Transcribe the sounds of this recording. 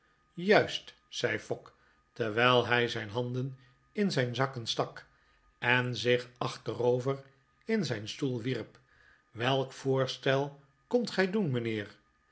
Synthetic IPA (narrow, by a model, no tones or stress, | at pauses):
jœɥst | sɛjfɔk | təɹʋɛjlˠɦɛjzɛjnɦɑndən | ɪnzɛjnzɑkənstɑk | ɛnzɪχɑχtərowvər | ɪnzɛjnstulˠʋirp | ʋɛlˠkfʊːɹstɛlˠ | kɵntχɛjdunmənɪːɹ